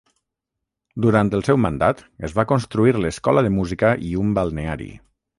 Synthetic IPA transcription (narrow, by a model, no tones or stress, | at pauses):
d̪uɾant̪əlˠsɛwmənd̪at̪əzβakonst̪ɾuiɾləskɔləðəmuzikəʔiumbalˠneaɾḭ